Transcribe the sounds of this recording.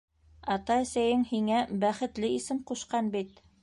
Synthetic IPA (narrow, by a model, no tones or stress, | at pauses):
ɑt̪ɑɘ̆sæjɘŋhiŋæbæχɘ̆t̪lɘisɘmquʃqɑnbit̪